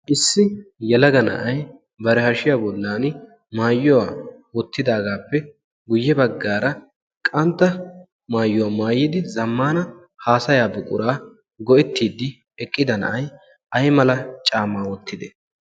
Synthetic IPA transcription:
ʔɪsːɪjɛlɐɡɐnɐ̰ʔɐj | bɐɾɛhɐʃɪjaːbɔlːaːn | maːjːʊwaːwɔt̪ːɪd̪aːɡaːpːɛ | ɡʊjːɛbɐɡːaːɾɐ | kʼɐnt̪ːɐ | maːjːʊwaːmaːjɪd̪ɪzɐmːaːnɐ | haːsɐjaːbʊkʼʊɾaː | ɡɔʔɛt̪ːiːd̪ːɪ | ɛkʼːɪd̪ɐnɐ̰ʔɐj | ʔɐjmɐlɐt͡ʃʼaːmːaːwɔt̪ʰːɪd̪ɛ

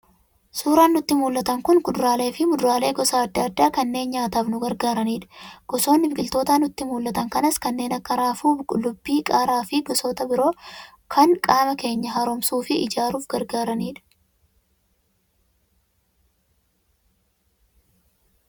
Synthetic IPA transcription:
suːɾaːnːʊt̪ːɪmuːlːɐt̪ɐŋkʊnɡʊd̪ʊɾaːle̞ːfɪmʊd̪ʊɾaːle̞ːɡɔsaːɐd̪ːɐɐd̪ːaːkɐnːe̞ːnɲaːt̪ɐbnʊɡɐɾɡaːɾɐniːᶑɐ̥ɡ̥ɔso̞ːnːɪbɪɡɪlt̪o̞ːt̪aːnʊt̪ːɪmuːlːɐt̪ɐŋkɐnɐskɐnːe̞ːnɐkːɐɾaːfuːblʊbːiːkʼaːɾaːfɪɡɔsoːt̪ɐbɪɾo̞ː | kʰɐŋkʼaːmɐke̞ːɲːɐɦɐɾɔmsuːfɪʔɪd͡ʒaːɾuːfɡɐɾɡaːɾɐniːᶑɐ̥

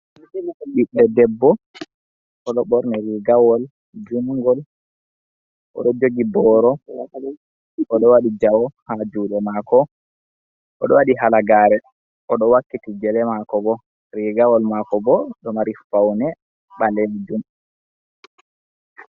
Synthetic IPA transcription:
ɓiɗːɛdɛbːɔ | ʔɔɗɔɓɔɾnɛɾiɡawɔl | d͡ʒuŋɡɔl | ʔɔ̰ɗɔd͡ʒoɡibɔɾɔ | ʔɔɗɔwaɗid͡ʒawɔhad͡ʒuɗɛmakɔ | ʔɔɗɔwaɗiɦalaɡaːɾɛ | ʔɔɗɔwakːitid͡ʒɛlɛmakɔbɔ | ɾiɡawɔlmakɔbɔɗɔmaɾifawnɛ | ɓaled͡ʒum

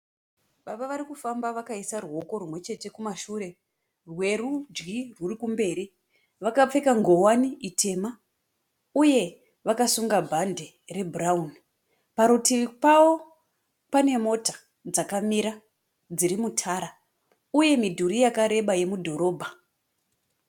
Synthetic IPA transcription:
ɓaɓaʋaɾikufambaʋakaisaruɦo̞ko̞ɾumwe̞t͡ʃe̞te̞kumaʃuːɾe̞ | rwe̞rud͡ʒɡirurikumbe̞ːɾi | ʋakap͡fe̞kaŋɡo̞waniʔitʰe̞ma | uje̞ | ʋakasuŋɡabʱande̞ | re̞bʱuraun | paɾutipawo̞ | pane̞mo̞tḁ | d͡zakamiɾa | d͡ziɾimutʰaːɾa | uje̞midʱuɾijakaɾe̞ɓaje̞mudʱo̞ɾo̞ːbʱa

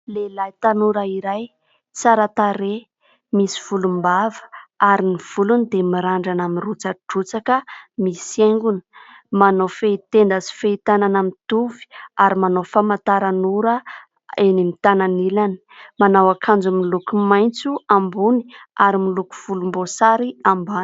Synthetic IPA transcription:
lelajt̪anuɾaiɾaj | t͡saɾat̪aɾe | misi̥v̥ulumbavə̥aɾiniv̥ulunid̪emiɾaɳɖ͡ʐanamirut͡saʈ͡ʂut͡sakəmiseŋɡunə̥ | manofeit̪end̪azi̥feit̪ananamit̪uvi̥aɾimanofamant̪aɾanuɾə | enimit̪ananilani̥manawakʰand͡zumilukumajnt͡suambuni̥aɾimiluku̥v̥ulumbosaɾiamban

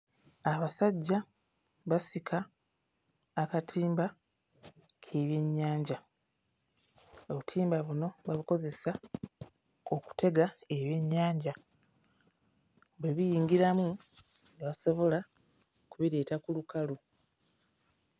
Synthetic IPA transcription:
aβasaɟːa | βasikʰa | katʰiːmba | kʰe̞βje̞ɲːaːɲɟa | oβutʰiːmbaβuno̞βaβiko̞ze̞sa | oku̥tʰe̞ɡae̞βje̞ɲːaːɲɟa | βwe̞βijiːŋɡiɾamu | neβaso̞βo̞la | kuβiɾe̞ːtakulukalu

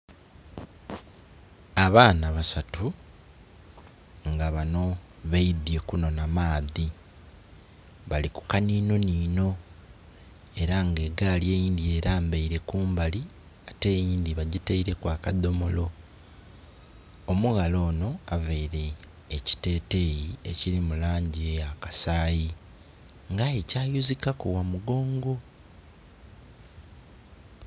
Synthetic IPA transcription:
aβaːnaβasatu | ŋɡaβano̞βeiðje̞kuno̞namaːði | βaliku̥kaniːno̞niːno̞ | e̞ɾaŋɡe̞ɡaːlje̞ːjiːnd̪ie̞ːɾaːmbeiɾe̞kuːmbali | ate̞ːjiːnd̪iβaɟiteiɾe̞kwaːkad̪o̞molo̞ | muɣalo̞ːno̞aveiɾe̞ː | ci̥te̞ːte̞ːjiḛciɾimulaːɲɟiejakḁsaːji | ŋɡaecaːjuzikakowamuɡo̞ːŋɡo̞

